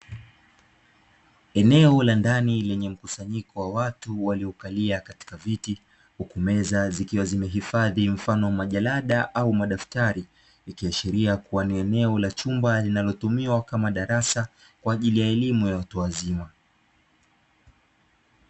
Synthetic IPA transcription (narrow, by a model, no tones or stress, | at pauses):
ɛnɛɔlandanilɛɲɛm̩kusaɲikɔwawatuwaliɔkaliakati̥kaviti | hukumɛzazikiwazimɛɦifaðim̩fanɔmaʄalaɗaʔaumaɗaftaɾi | ikiaʃiɾiakuwaniɛnɛɔlat͡ʃumbalinalɔtumiwakamaɗaɾasa | kwaːʄilijaɛlimujawatuwazima